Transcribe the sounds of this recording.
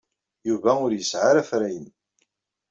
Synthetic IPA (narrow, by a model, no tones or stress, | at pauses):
juvæʊɾjəsʕaɾæfɾæjən